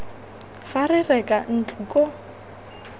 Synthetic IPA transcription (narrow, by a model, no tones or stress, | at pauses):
farɪrɛkʼan̩tʰukʼo